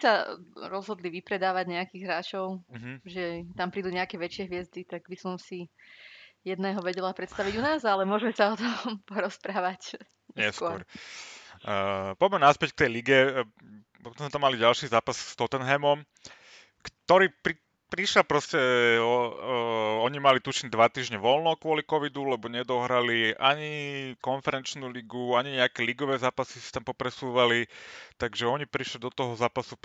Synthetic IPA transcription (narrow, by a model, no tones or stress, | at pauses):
saɾɔzɦɔd̪liʋipɾɛd̪aːʋaɟɲɛakiːɣɦɾaːt͡ʃɔʊɦ̩ʒɛt̪ampɾiːd̪uːɲɛakɛːʋɛt͡ʃɪɛɦʋɪɛzd̪it̪aɡbisɔmsi | jɛd̪nɛːɦɔʋɛɟɛlapɾɛt̪st̪aʋiɟunaːzalɛmʊɔʒmɛsaɔt̪ɔmpɔɾɔspɾaːʋac | ɲɛɛskʊɔɔɾ | pɔjmɛnaspɛck̚t̪ɛjliɡɛ | pɔt̪ɔ̃zmɛt̪amːaliɟalʃiːzaːpasst̪ɔt̪ɛnɦɛmɔm | kt̪ɔɾiːpɾi | pɾiʃɛlpɾɔscɛɔ | ɔɲimalit̪uʃiɲd̪ʋat̪iːʒɲɛʋɔlnɔkʋʊɔlikɔʋid̪ulɛbɔɲɛd̪ɔɦɾaliʔaɲikɔnfɛɾɛnt͡ʃnuːliɡuaɲiɲɛakɛːliɡɔʋɛːzaːpasisi̥t̪ampɔpɾɛsuːʋalit̪aɡʒɛɔɲipɾiʃlid̪ɔt̪ɔɦɔzaːpasu